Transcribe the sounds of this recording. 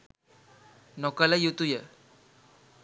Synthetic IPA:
nɔkalajut̪uje

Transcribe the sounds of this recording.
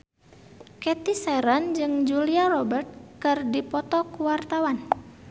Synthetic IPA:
kɛt̪isɛɾand͡ʒɨŋd͡ʒuliarɔbərt̪̚kɨrdipɔt̪ɔkuwart̪awan

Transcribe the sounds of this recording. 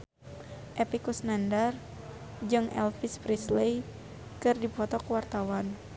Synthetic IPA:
ʔɛpikusnandar | d͡ʒɨŋɛ̰lfispɾislej | kɨrdipɔt̪ɔkuwart̪awan

